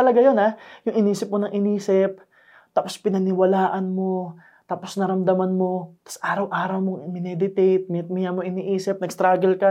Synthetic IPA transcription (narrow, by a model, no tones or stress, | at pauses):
ɐlɐɡajo̞najʊŋʔɪniːsɪp̚monɐŋʔɪniːsɪp̚ | t̪aːpo̞spɪnɐnɪwɐlaːʔɐnmo̞ | t̪aːpo̞snɐɾɐmd̪ɐmanmo̞t̪ɐ̥sʔaːɾɐwʔaːɾɐwmoŋmɪnɛd̪ɪt̪ejt̪̚mɪt̪̚mɪjamoŋɪniʔiːsɪp̚nɐɡst̪ɾaːɡɛlka